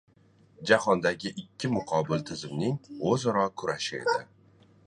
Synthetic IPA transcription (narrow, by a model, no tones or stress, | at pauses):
d͡ʒahɒnd̪aɡʲɪʔɪkʲʰːɪmʊqʰɒbɪlt̪ʰɪzɪmnɪŋozaɾɒkʰʊɾaʃɪe̞̰d̪ɪ